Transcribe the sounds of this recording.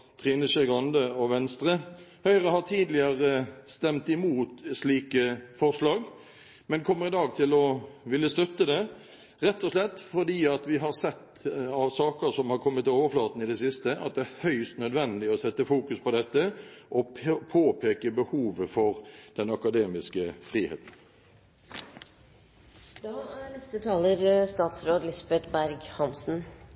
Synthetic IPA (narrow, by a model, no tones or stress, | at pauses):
t̪ʰʁiːnəʃɛɡɑnd̪əɔʋɛnst̪ɾəhœʏʁəhɑʁt̪ʰiːd̪lɪəʁəst̪ɛmt̪ɪmuːt̪sliːkəfɔʁʂlɑːɡ | mɛnkʰɔmːəʁɪd̪ɑːɡ̚t̪ʰɪlɔʋɪlːəst̪œt̪ːəd̪ɛ | ʁɛt̪ːɔslɛt̪ːfɔd̪iːɑt̪ʋɪɦɑɾsɛt̪ː | ɑʋsɑːkəɾsɔmhɑʁkʰɔmːət̪ːɪoːʋəflɑːt̪n̩ɪd̪ɛsɪst̪əʔɑ̰t̪̚d̪ɛæhœʏst̪nœd̪ʋɛnd̪ɪɔsɛt̪ːəfuːkʉspʰɔd̪ɛt̪ːəʔɔpʰoːpʰeːkəbəhuːʋəfɔʁd̪̥ɛnɑkɑd̪eːmɪskəfʁiːhḛːt̪n̩ | d̪ɑænɛst̪ət̪ʰɑːləɾst̪ɑːt̪sɾoːd̪lɪsbɛt̪bæɾɡhɑmsn̩